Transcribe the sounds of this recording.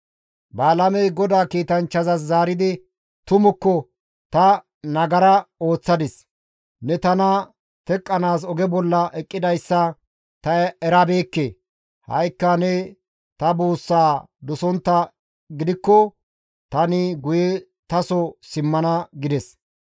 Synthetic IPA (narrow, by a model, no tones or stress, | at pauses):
baːlɐmɛjɡɔd̪aːkiːt̪ɐnt͡ʃːɐzɐs̬zaːɾɪd̪ɪ | t̪ʊmʊkːɔ | t̪ɐ | nɐɡɐɾɐo̞ːt͡sːɐd̪ɪs | nɛt̪ɐnɐ | t̪ɛkʼːɐnaːs̬ɔɡɛbɔlːɐʔɛkʼːɪd̪ɐjsːɐ | t̪ɐɛɾɐbeːkːeː | hɐ̰jkːɐnɛ | t̪ɐbuːsːaː | d̪ʊsɔnt̪ːɐ | ɡɪd̪ɪkːɔ | t̪ɐnɪɡʊjɛ | t̪ɐsɔsɪmːɐnɐɡɪd̪ɛs